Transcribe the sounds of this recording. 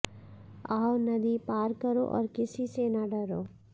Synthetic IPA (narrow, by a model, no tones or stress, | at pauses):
aːwnɐd̪ipaːɾkəɾo̰ʔɔ̰ːɾkɪsisenaɖɐɾoː